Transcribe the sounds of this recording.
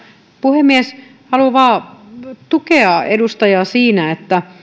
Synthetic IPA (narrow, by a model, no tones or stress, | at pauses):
puhemmːies | hɑluʋɑː | t̪ukeɑḛdust̪ɑjɑsiːnæet̪ːæ